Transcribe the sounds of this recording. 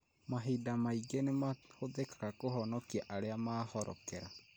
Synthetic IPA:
maɦidamaiɡenemahoðekḁɣakoɦɔnɔkiaʔaɾeamaːhɔɾɔ̰kɛɾa

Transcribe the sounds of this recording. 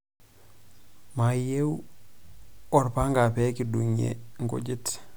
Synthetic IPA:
majew | oɾpaŋɡapekiduɲḛŋkṵɟit

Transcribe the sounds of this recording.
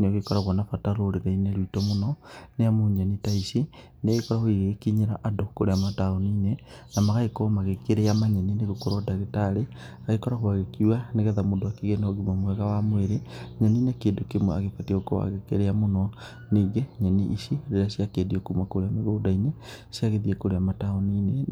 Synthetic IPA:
neoɣekɔɾaɣwɔnafataɾoɾeɣaineɾitɔmonɔneamoɲanitaisi | neɣekɔɾahoiɣekiɲeɾaʔadokoɾeamataoniːnenamaɣaekɔmaɣekeɾeamaɲɛnineɣokoɾɔdaɣetaɾeaɣekɔɾahoaɣekiwaneɣeðamondoakiɣenoɣimamwɛɣawamweɾeɲɛninekeːndokemwɛaɣepatioko̰wa̰ɣekeɾeamonɔ | neɡeɲɛniʔisiɾeɾasjakeːdiokumakoɾeameɣoːdaine | siaɣeðiekoɾeamataoniːne

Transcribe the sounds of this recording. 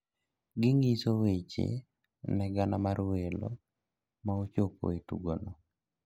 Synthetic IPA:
ɡɪŋisowet͡ʃḛ | nɛɡanamaɾwelo̰ | maot͡ʃopo̰itṵɡono

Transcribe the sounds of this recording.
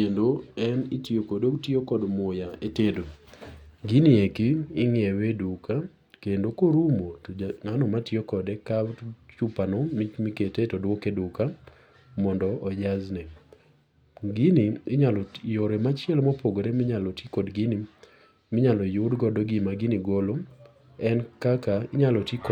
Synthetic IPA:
kendoɛnɪtjokodotiokɔdmʊjaetedo | ɡiniekiːŋjɛweduka | kendokoɾumotŋanɔmatjokɔdɛkat͡ʃupanɔmit͡ʃmiketetɔdwokeduka | mɔndɔɔd͡ʒaznɛ | ɡiniɪɲalɔjoɾemat͡ʃɛlmɔpoɡoɾemɪɲalɔtikodɡini | mɪɲalɔjʊdɡɔdɔɡimaɡiniɡolo | ɛnkakaɪɲalɔtik

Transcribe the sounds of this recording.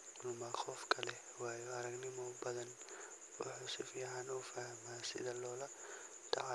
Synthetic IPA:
mmaxɔfkʰɐlɛ | waːjɔɐɾɐɡnɪmɔbɐðɐn | wʊ̰ħuːsɪfiːʕanuːfahmaːsɪ̰ðɐlɔːlɐ | t̪ʰɐʕa

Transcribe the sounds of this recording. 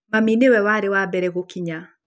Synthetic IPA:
maminewɛwaɾewabɛɾɛɣokiɲa

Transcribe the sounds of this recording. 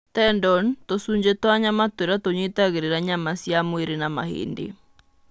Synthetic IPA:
tɛndɔntosuːɲd͡ʑetwaɲamatweɾatoɲwitaɣeɾeɾaɲamasjamweɾenama̰hḛːndḛ

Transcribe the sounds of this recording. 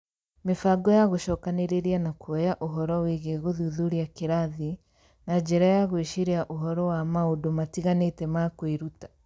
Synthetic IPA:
mefaɡɔjaɣoʃɔkaneɾeɾianakoɛjaʔoɦɔɾɔweɣeɣoðuðuɾiakeɾaði | nad͡ʒɛɾajaɣweʃiɾeaʔoɦɔɾɔwamaodomatiɣanetɛmakoiɾutḁ

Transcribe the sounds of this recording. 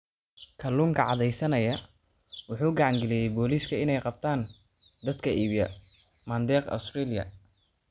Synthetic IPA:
kʰɐluːŋkʰɐʕɑðɛjsɐnɐjɐ | wʊħuːɡɑʕɑŋɡɛlɛjɛjbɔːliːskʰɐɪnɛjqɑb̚t̪ʰaːn | d̪ɐd̪kʰɐʔiːβijɐ̰ | mɐːnd̪ɛːqɐ̰st̪rilɪjɐ̰

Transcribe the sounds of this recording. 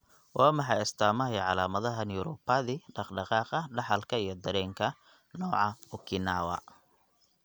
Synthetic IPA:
wʔɑːmɑħɑɪst̪ʰaːmɐjɛʕɑlaːmɐðɐɦɐnjʊɾɔpɐðiɖɑqɖɑqɑːqɐɖɑħɑlkʰɐijɞd̪ɐɾɛːŋkʰɐ | nɔːʕɑʊkʰɪnaːwɐ̰

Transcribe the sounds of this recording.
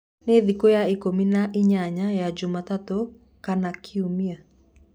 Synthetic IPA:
neðikojaikominaʔiɲaɲajad͡ʒʊmatato | kanakʰiumia

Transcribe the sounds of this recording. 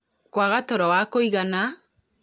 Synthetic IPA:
kwaɣatɔɾɔwakoiɣana

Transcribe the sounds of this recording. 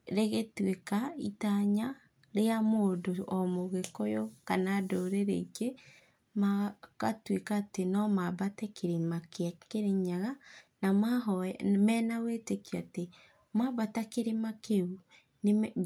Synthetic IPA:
ɾeɣetwekaitaɲa | ɾeamoːdoɔmoɣekojokanadoɾeɾeiɡe | makatwekaːtenɔmabatɛkʰeɾemakeakeɾeɲaɣanamaɦɔmɛːnawetekiate | mabatakeɾemakeu | ne

